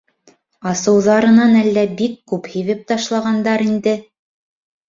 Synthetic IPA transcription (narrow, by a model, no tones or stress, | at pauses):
ɑsɤ̆wðɑɾɤ̆nɑnælːæbikːʉphiβɘp̚t̪ɑʃlˠɑʁɑnd̪ɑɾind̪ɘ